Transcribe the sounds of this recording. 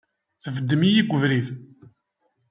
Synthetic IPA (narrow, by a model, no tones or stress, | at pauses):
θəvəd̪ːəmijiɡʷəvɾið